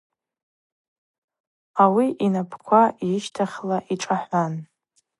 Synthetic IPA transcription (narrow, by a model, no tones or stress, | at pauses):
awiʔinapʰkʷʰaiʃtʰaχʲlaʔiʈ͡ʂʼaħʷan